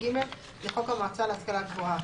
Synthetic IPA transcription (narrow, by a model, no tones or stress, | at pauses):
imel | liχokamaːt͡saleaskalaɡvua